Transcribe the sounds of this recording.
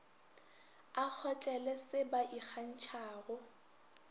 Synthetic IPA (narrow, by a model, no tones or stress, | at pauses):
ak͡xʰɔt͡ɬʼɛlɛsɪbaʔik͡xʰan̩t͡ʃʰaːɣʊ